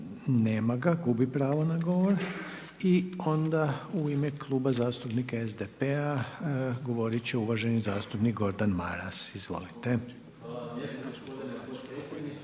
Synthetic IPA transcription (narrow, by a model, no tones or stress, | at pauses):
neːmaɡaɡubipɾaːʋonaɡo̞ʋo̞ɾ | io̞nd̪auimeklˠuːbazaːst̪upnikaezd̪epea | ɡo̞ʋo̞ɾit͡ɕeuʋaʒe̞nizaːst̪upnik̚ɡo̞ɾd̪anma̰ɾa̰sizʋo̞̰lit̪e̞